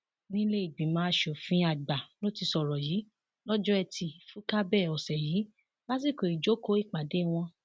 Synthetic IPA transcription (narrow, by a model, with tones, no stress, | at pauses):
nĩ˦le˦i˨ɡ͡bĩ˨˦mãː˨˦ʃo˨fĩ˦a˧˨ɡ͡ba˨lo˦ti˧sɔ˨ɾɔ˨jiː˨˦ | lɔ˦d͡ʒɔ˦ɛ˧tʰi˧fu˦ka˦bɛ˦˨ɔ˨sɛ˨jiː˨˦ | la˦s̬i˦˨ko˨i˨d͡ʒo˨˦ko˦i˦˨k͡pa˨de˨˦˨w̃ɔ̃˧